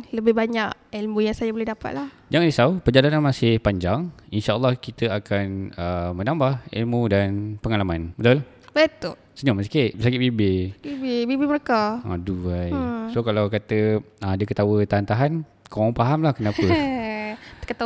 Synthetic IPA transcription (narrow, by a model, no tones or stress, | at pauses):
ləbɪɦbaɲaʔilmujaŋsajabolɛhdapa̰t̪̚lah | d͡ʒaŋandisawpəd͡ʒalananmasɪhpaɲd͡ʒaŋinʃa̰lːɑhkit̪əakanəmənãmbahḭlmudanpəŋalamanbət̪ula | bət̪ʊl | səɲɔməsḁkiʔbsakɪt̪̚bibɪbibebibiməɾekaaduajsokalawkat̪ədəkət̪awət̪aɦant̪aɦan | koŋɔŋpaɦamlahkənapə | kət̪a